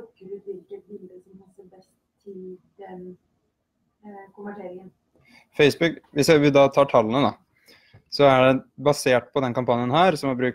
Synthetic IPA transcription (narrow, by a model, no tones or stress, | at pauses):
kəɾəʋɪlkət̪̚bɪld̪əsɔmpɑsəɾbɛst̪t̪ʰːɪld̪ɛn | kʊmʋæʈʰeːɾɪŋən | fɛɪsbʉkʋɪsjæʋɪd̪ɑːt̪ʰɑːʈʰɑlːənəd̪ɑ | sɔæɖɛbɑseːʈ̚pʰɔd̪ɛnkɑmpʰɑnɪjənhæːɾsɔmæbɾʉːk̚